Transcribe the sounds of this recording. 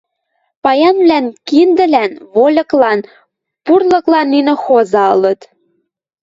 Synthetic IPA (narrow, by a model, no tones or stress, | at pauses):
pɑjɑnβlænkind̪ɘ̆lænβolʲɤ̆klɑn | purlɤ̆klɑnːinĕxozɑɤ̆lɤ̆t̪